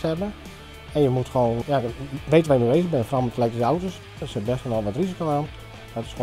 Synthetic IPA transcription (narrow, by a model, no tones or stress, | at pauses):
ɛbə | ɛnjəmutxʋoːnjaʋeːtəʋaːjənybeːzəɣbɪnnfrɔmətʰəlɛktəsəawtos | sɛt̚bɛstʋɔnɔlˠʋɔtrizikoaːn | dɔtɪ̥sxo